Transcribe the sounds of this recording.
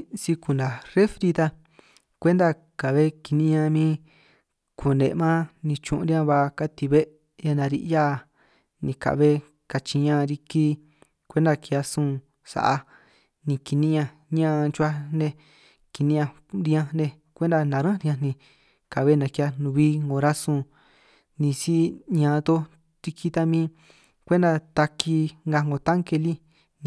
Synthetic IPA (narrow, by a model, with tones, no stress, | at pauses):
si˧ku˨nd̪a˨re˦fɾi˧t̪a˧ | kʷe˦nd̪a˧ | ka˨βe˦ki˧nĩ˦ɲã˧mĩ˦ | kʰu˨nḛ˨˧mã˦nĩ˧t͡ʃṵ̃˧ʔṵ̃˧ɾi˦ã˧βa˧ka˦t̪i˧βe˦ | ja˧nã˧ɾḭ˧ʔja˦˨ | nĩ˧ka̰˨βe˦ | ka˧t͡ʃi˧ɲã˦˧ɾi˧ki˦ | kʷe˦nd̪a˧ki˧a˧sũː˦˧ | sa̰˨ʔa˧ | nĩ˧ki˧nĩ˦ɲã˧ | ɲã˦˧t͡ʃu˧˦a˧nẽ˧ | ki˧nĩ˦ɲã˧ | ɾi˧ã˧nẽ˧ | kʷe˦nd̪a˧nã˨˧ɾã˦ɾĩ˧ã˧nĩ˧ | ka˨βe˦nã˧ki˧a˧nũ˧βi˦ŋɡõ˧ɾa˦sũ˧ | nĩ˧si˦ɲã˧t̪o˦ | t̪i˧kʰi˧t̪a˧mĩ˦ | kʷe˦nd̪a˧t̪a˧ki˧ŋɡa˧ŋɡo˧t̪a˦ŋke˧li˦ | n˧